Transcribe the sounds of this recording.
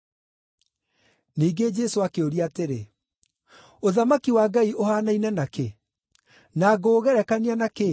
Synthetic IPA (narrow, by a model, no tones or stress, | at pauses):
niːɡed͡ʒɛsoakeoɾiateɾe | oðamakiwaːɡaiohaːnainɛnake | naɡoɣɛɾɛkanianake